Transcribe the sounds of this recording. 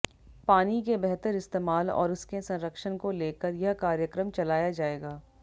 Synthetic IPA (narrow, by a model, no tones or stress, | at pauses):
paːnikebɛɦt̪əɾɪst̪eːmaːlɔ̰ːɾʊskesɐ̃nɾəkʃənkoleːkəɾjɐɦkaːɾjəkɾəmt͡ʃɐlaːjad͡ʒaːeːɡaː